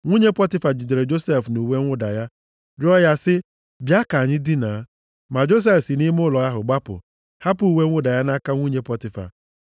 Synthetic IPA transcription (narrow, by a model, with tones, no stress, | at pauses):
ŋʷu˦ɲe˦pɔ˦tɪ˦fa˨d͡ʒi˨de˨ɾe˨d͡ʒo˦se˦fnu˨we˦ŋʷʊ˦da˨ja˦ | ɾɪ˦ɔ˦ja˦sɪ˦ | bja˦ka˨ɲɪ˦di˦na˨˦ | ma˨d͡ʒo˦s̬e˦fsi˨ni˦mʊ˦lɔ˨ja˦ɦʊ˨ɡ͡ba˦pʊ̰˨ | ha˦pu˨u˨we˦ŋʷʊ˦da˨ja˦na˦ka˦ŋʷu˦ɲe˦pɔ˦tɪ˨fa̰˨